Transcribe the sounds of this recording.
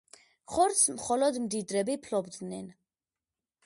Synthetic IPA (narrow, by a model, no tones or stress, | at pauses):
χɔɾt̪smχɔlɔd̪md̪id̪ɾɛbipʰlɔbd̪nɛn